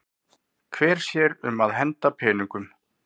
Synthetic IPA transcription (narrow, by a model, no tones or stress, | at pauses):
kʰvɛːɾ̥sjɛɾʏmaðɦɛnt̪apʰɛːniŋkʏm